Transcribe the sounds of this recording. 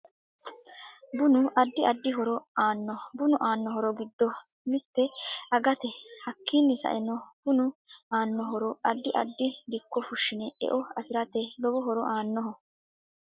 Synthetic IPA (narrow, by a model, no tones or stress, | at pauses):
bʊnʊʔɐd̪ːɪɐd̪ːɪɦɔɾɔaːnːɔbʊnʊʔaːnːɔɦɔɾɔɡɪd̪ːɔ | mɪt̪ːɛɐɡɐt̪ɛhɐkːiːnːɪsɐ̰ʔɛnɔb̥ʊnʊaːnːɔɦɔɾɔɐd̪ːɪʔɐd̪ːɪd̪ɪkːɔfʊʃːɪnɛɛ̰ʔɔɐfɪɾɐt̪ɛlɔbɔɦɔɾɔʔaːnːɔɦɔ